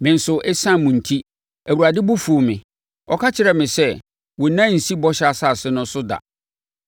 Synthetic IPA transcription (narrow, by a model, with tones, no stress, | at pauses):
mɪ̃˨n̩˨sʊ˨ʔɛ˦sã˦mũ˨n̩˨tʰi˦ | æ˨wu˨ɾa˨dɪ˦bʊ˦fu˨o˨mɪ̰̃˨ | ɔ˦kʰa˦t͡ɕʰɪ˨ɾɛ˨mɪ̃˨sɛ˦ | wɔ˨˦nã˦˨n̩˨si˦bɔ˦ɕa˨sa˦˨sɪ˦nʊ̃˦sʊ˦da̰˨